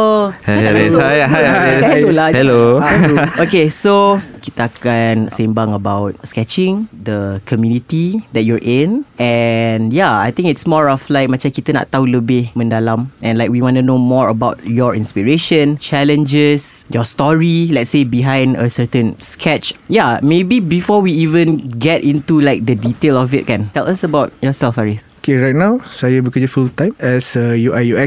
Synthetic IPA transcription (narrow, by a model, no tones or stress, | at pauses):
ohɛaɦajɛolahɛlo | okesokit̪əakansẽmbãŋəbaʊt̚skɛt͡ʃɪ̃ŋdəkʰɔmjunitidɛt̚juɹʔɪ̃nɛ̃njaa̰jt̪ĩŋɪtsmɔɹɔflaɪk̚mãt͡ʃãnkit̪əna̰ʔt̪aɦuləbɪhmə̃ndalãmɛ̃nlaɪk̚wiwɔ̃nunomɔɹəbaʊt̚jɔɹḭ̃nspiɹeʃə̃nt͡ʃɛlə̃nd͡ʒəsjɔstɔɹilɛtsebiɦãj̃ndə̰sətə̃nskʰɛt͡ʃjamebibifɔwiivə̃nɡɛtĩntulaɪjk̚dəditelɔfɪt̚kɛ̃ntɛlasəbaʊt̚jɔsɛlfaɹisokʰeɹajt̚nawsajəbikɔsəfult̪ãɪ̃mɛsəjuajuɛk